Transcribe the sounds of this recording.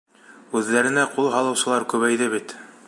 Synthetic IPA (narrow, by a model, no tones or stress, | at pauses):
ʉðːæɾɘ̆næqulˠɦɑlˠɤ̆wsɤ̆lˠɑɾkʉβæjðɘβit̪